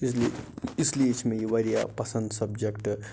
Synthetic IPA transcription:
sliisliit͡ʃʰmẽjiʋɐɾija̰pɐsɐ̃nd̪sɐbd͡ʒekʈ

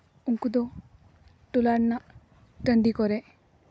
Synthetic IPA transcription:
uŋkud̪ɔ | tulaɾna | təndikɔɾe

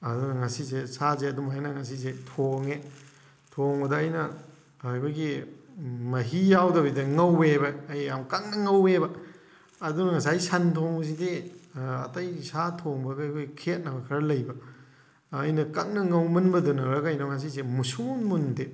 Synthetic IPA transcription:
ɐdunɐŋasisesazeɐdumɦajnɐŋasizetʰoŋe | tʰoŋbɐdɐɐjnɐ | ajbɐɡi | mɐɦijawdɐbidɐŋɐwebɐːjamkak̚nɐŋɐwebɐː | dunɐŋasajsantʰoŋzideɐ̰tajsatʰoŋbɐɡɐɐjkʰojkʰet̚nɐbɐkʰɐɾɐlɐjbɐː | jnɐkak̚nɐŋɐwmɐnbɐdunɐɾɐkajnɐŋas̬isemusunmunde

